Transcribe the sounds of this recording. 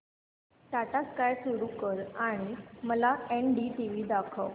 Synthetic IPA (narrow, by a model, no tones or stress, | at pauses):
t̪aʈ̪askajsuɾuːkəɾaɽ̃iməlaenɖiːʈiʋiːd̪akʰəw